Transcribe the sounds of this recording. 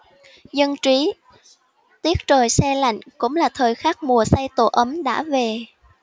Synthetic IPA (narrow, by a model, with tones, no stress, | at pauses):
zə˧nt͡ɕwi˨˦ | t̪i˦˥ək̚t͡ɕəː˨˩jsɛ˧la̰˧˨jŋ̟kʊ̰˧˥ŋ͡mlaː˨˩t̪ʰəː˨˩jxaː˦˥k̚mu˨˩əsa˧jt̪o̰˧˩ʔə˨˦mɗa̰ː˧˥ve˨˩